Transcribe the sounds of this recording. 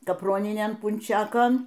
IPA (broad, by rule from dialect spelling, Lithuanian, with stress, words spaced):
kɐpˈroːnʲɪnʲeːn pʊnʲˈt͡ʃʲæːkoːn